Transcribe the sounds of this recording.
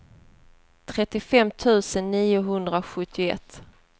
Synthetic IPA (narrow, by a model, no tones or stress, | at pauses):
t̪ʰɾɛt̪ːɪfɛmːt̪ʰʉ̟ːsənːiːʊɦɵnd̪ɾaɧɵt̪ʰːɪʊɛ̰t̪ː